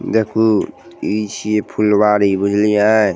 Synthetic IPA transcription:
d̪ekʰu | it͡ʃʰiepʰulbaɾibud͡ʒʱlia

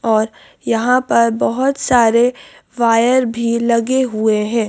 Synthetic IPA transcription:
ɔːɾ | jɐɦãpɐɾbɐɦʊt̪saːɾe | ʋaːjəɾbʱilɐɡeɦueɦɛ̃ː

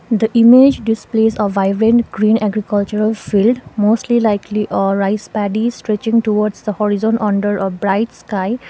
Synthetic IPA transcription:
d̪əʔimed͡ʒɖisplezəʋaɪbɾẽnʈɡɾĩːnɛɡɾikəlt͡ʃuɾəlfilɖmosʈlilaɪkliʔɔɹaɪspaɖisʈɹɛt͡ʃĩŋʈuwɔɖsd̪əhɔɹizɔ̃nʔɔ̃ɳɖəɹʔɔbɾaɪʈskaɪ

